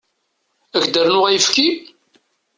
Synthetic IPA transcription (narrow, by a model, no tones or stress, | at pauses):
æʝd̪əɾnʊʁæjəfki